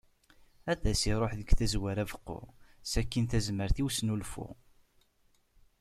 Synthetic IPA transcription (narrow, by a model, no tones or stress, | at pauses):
æðæsiɾˤoħðəɡθæzwæɾævəqːʊ̰sækːinθæzməɾθiwsnulfʊ̰